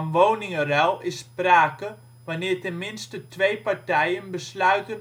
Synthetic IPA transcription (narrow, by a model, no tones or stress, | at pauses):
nʋownɪŋərɛlˠɪspraːkə | ʋanɪːɹtɛnmɪnstətʰʋeːpaɹtɛjənbəslœɥtə